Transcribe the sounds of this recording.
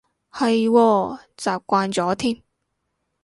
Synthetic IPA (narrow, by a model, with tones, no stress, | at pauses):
hɐ˨jwɔː˧t͡saː˨˩p̚kʷaː˧nt͡sɔː˨˥t̪ʰiː˥m